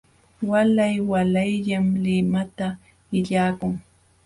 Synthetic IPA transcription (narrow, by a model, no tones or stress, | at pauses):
walajwalajʎamlɪmat̪a | ɪʎaːkʊŋ